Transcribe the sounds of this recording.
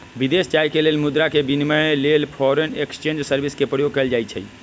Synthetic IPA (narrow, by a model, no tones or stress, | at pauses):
bid̪est͡ʃajkelelmud̪ɾakebiniməlelpʰɔɾenekst͡ʃẽnd͡ʒsəɾbiskepɾəjoɡ̚kəld͡ʒajt͡ʃʰə̰